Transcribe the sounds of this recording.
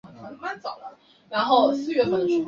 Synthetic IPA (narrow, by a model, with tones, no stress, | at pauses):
a˧˩ma˥˩nt͡sɑ˨˩ʊlə˦ | ɻa˧˥nxo˥˩ʊ˩sɹ̩˥ɥɛ˧˥pə˨˩nʈ͡ʂʰu˥